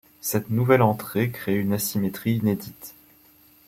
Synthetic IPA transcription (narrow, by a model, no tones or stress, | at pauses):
sɛt̪nuvɛlɑ̃t̪χekχeynasimet̪χiːned̪it̪